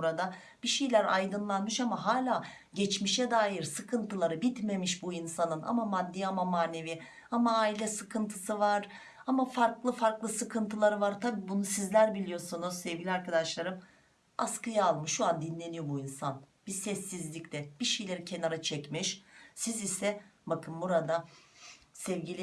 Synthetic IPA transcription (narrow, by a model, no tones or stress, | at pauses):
buɾad̪a | b̥iʃejlʲæɾajd̪ɯnlˠanmɯʃamaɦaːlʲaː | ɟɛt͡ʃmiʃɛd̪aːjiɾsɯkʰɯnt̪ɯlˠaɾɯbit̪me̞miʃbuinsanɯna̰mamad̪ːiːamamaːne̞vi | amaːilʲɛsɯkʰɯnt̪ʰɯsɯvaɾ̥ | amafaɾklˠɯfaɾklˠɯsɯkʰɯnt̪ʰɯlˠaɾɯvaɾt̪ʰabiːbunusizlʲæɾbilʲijo̞sunuz̥sɛvɟilʲiaɾkad̪aʃlˠaɾɯm | askɯjaːlˠmɯʃːuand̪inlːʲe̞nijo̞buinsan | b̥isɛsːizlʲiclʲɛb̥iʃejlʲe̞ɾicʰe̞naɾat͡ʃʰɛcmiʃsizisɛbakʰɯmbuɾad̪a | sɛvɟilʲi